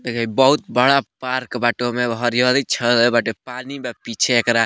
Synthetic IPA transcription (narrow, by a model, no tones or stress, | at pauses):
kəbəɦut̪̚bəɽapaɾkbaʈomeɦɔɾjod̪it͡ʃʰəlbaʈopanimepit͡ʃʰeekɾa